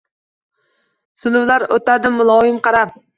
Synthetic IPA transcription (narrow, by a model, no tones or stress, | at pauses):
sʊlʊwlaɾot̪ad̪ɪmʊlˠɒjɪmqɑɾap